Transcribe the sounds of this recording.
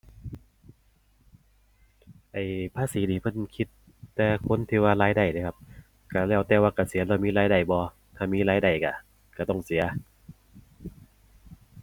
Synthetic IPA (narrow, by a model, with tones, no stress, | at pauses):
ʔa˨˩jpʰaː˧˥˨siː˨˦niː˧˩pʰɤ˧˥˨nkʰi˧˥t̪ː | ɛː˧kʰo˧˥˨nt̪ʰiː˧˩waː˧laː˧˥jda˧˩jna˧˩kʰa˧p̚ | ka˧˩lɛː˧˩wt̪ɛː˧waː˧˩ka˧˩si˨˩˦lɛː˧˩miː˧˥˨laː˧˥jda˧˩jbɔː˧˦ | t̪ʰaː˧˩miː˧˥˨laː˧˥jda˧˩jka˧˩ | ka˧˩t̪ɔ˧˩ŋsi˨˦ɐ